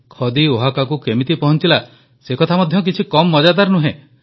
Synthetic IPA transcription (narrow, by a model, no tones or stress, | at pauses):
kʰɔd̪ioɦakakukemit̪ipɔɦɔnt͡ʃila | sekɔt̪ʰamɔd̪ʱjɔk̬it͡ʃʰikɔmːɔd͡ʒad̪aɾnuɦẽ